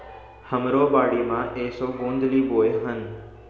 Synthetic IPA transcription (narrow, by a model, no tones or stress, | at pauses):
hɐmɾoːbaːɽiːmãːʔeːsoɡõːnd̪liːboːeɦən